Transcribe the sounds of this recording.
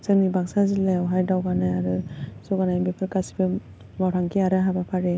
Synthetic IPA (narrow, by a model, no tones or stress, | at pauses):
sɯnibaŋsazilajawɦajdawɡanajaɾɯsɔɡanajbepʰɯɾkasi̥bɯ | mawɾʰaŋkʰiaɾɯɦabapʰaɾe